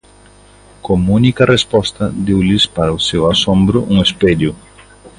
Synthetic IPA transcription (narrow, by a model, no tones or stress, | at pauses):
komunikɐrespɔst̪ɐd̪ewlɪspaɾɐʊsewasõmbɾʊʔuŋesped̪jʊ